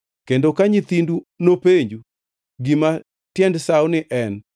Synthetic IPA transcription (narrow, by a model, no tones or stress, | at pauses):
kendokaɲit̪indunopeɲd͡ʒu | ɡima | tjɛndsawnɪʔɛn